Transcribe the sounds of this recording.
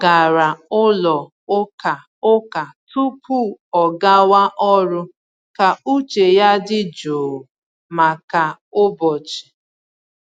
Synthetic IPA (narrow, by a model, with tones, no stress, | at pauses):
ɡa˨ɾa˨ʊ˦lɔ˨ | ʊ˦ka˨ | ʊ˦ka˨tu˦pʰu˦˨ɔ˨ɡa˦wa˦ʔɔ˦ɾʊ˦ | ka˨u˦t͡ʃe˨ja˦dɪ˦d͡ʒoː˨ | ma˨ka˨ʊ˦bɔ˨t͡ʃɪ̥˨